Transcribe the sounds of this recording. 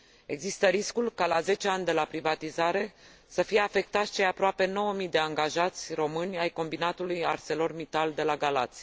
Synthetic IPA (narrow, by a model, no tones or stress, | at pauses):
e̞ɡzist̪əɾiskulkalaze̞t͡ʃe̞anʲd̪e̞lapɾivat̪izaɾe̞ | səfije̞afe̞k̚t̪at̪sʲt͡ʃejapɾoape̞no̞wəmid̪e̞aŋɡaʒat̪sʲro̞mɨnʲajko̞mbinat̪ulujarse̞lo̞rmit̪ald̪e̞laɡalat̪sʲ